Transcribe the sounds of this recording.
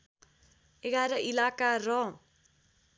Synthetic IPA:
eɡaɾʌʔilakarʌ

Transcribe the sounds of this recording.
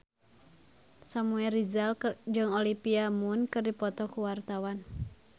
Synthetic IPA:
samuɛrizald͡ʒɨŋolipiamunkɨrdipɔt̪ɔkuwart̪awan

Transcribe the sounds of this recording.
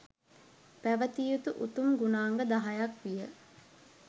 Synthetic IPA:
pæʋət̪ijut̪uʔut̪umɡunaːŋɡəd̪aɦajakʋijə

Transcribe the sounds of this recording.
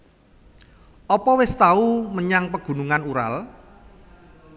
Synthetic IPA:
ʔɔpɔwɪst̪auməɲaŋpəɡ̥ṳnuŋanuɾa̰l

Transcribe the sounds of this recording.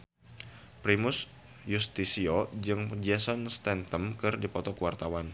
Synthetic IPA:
pɾimʊs | just̪isiod͡ʒɨŋd͡ʒɛsɔnst̪ɛnt̪əmkɨrdipɔt̪ɔkuwart̪awan

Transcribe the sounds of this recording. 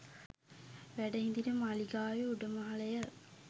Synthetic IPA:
ʋæɖɐind̪iɾɐmaliɡaːjeuɖɐmɐɦɐlɐjɐ

